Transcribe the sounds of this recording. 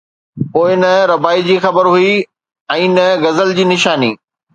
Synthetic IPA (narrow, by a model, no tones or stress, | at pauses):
poːɪnɐɾɐbaːid͡ʑiːxɐbəɾɦʊi | ɛ̃ːnɐɡɐzəld͡ʑiːnɪʃaːnḭː